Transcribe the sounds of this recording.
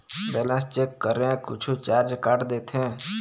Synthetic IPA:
bɛːlə̃nst͡ʃeːkːəɾẽkʊ̰t͡ʃʰut͡ʃaːɾd͡ʒkaʈd̪eːt̪ʰẽː

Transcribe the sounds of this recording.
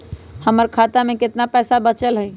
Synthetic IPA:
həməɾkʰat̪amẽkɪt̪napɛːsabət͡ʃəlɦəj

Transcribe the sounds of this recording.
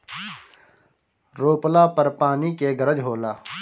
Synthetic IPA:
ɾoːplaːpəɾpaːnikeːɡəɾəd͡ʒɦoːlaː

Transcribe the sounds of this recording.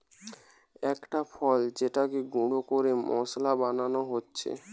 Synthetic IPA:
ɛkʈafʰɔld͡ʑeʈakeɡuɽokoɾemʔɔ̰slabananoɦotːɕʰḛ

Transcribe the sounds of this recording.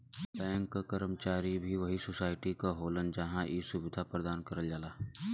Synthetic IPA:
bɛ̃ːŋkːakəɾəmt͡ʃaːɾibʱiʋɐɦisosaːɪʈikaɦoːlənd͡ʒɐɦãʔisʊbɪd̪ʱapɾəd̪aːnkɐɾəld͡ʒaːlaː

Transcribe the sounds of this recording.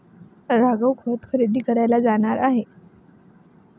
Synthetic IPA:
ɾaɡəwkʰoət̪kʰəɾid̪iːkəɾajlad͡zaɽ̃aɾaɦe

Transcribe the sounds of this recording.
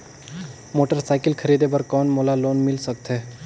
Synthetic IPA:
moːʈəɾsaːɪkəlkʰəɾiːd̪ebəɾkɔːnmolaloːnmɪlsək̚t̪eː

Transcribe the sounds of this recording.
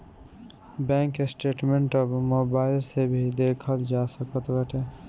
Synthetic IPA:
bɛ̃ŋkesʈeʈmeɳʈɔbmobailsebʱid̪ekʰət̪d͡ʒasəkət̪bəʈʰe

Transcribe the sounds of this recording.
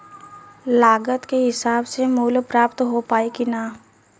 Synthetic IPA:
laːɡət̪keɦɪsaːbsemuːlpɾaːpt̪ɦopaːekinaː

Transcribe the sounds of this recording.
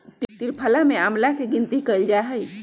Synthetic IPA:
t̪iɾpʰəlameamlakeɡint̪ikəjld͡ʒaɦəj

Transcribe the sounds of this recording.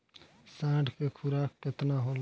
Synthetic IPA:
sãːʈkekʰʊɾaːkkɪt̪naːɦoːl

